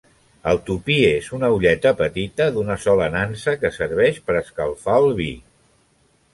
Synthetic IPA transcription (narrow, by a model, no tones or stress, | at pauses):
əlˠt̪upiezunəuʎɛt̪əpət̪it̪əðunəsɔlənansəkəsəɾβ̞ɛʃpəɾəskəlˠfaəlˠβ̞ḭ